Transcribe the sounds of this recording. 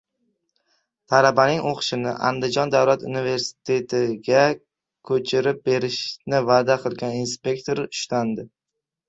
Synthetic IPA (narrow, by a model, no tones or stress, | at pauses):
t̪ʰalabanɪŋoqʰʃɪnɪ̰ʔa̰nd̪ɪd͡ʒɒnd̪awlat̪unive̞ɾsɪ̥t̪ʰe̞t̪ʰɪɡʲa | kʰɵt͡ʃʰɪɾɪp̚be̞ɾɪʃnɪvaːd̪aqʰɨlˠɡʲaninspe̞kt̪ʰoɾʊʃland̪ɪ